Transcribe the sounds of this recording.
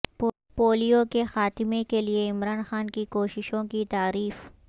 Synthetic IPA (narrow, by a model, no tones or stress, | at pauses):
p | poːlijokexaːt̪ɪmekelieɪmɾaːnxaːnkikoːʃɪʃõkit̪aːɾiːf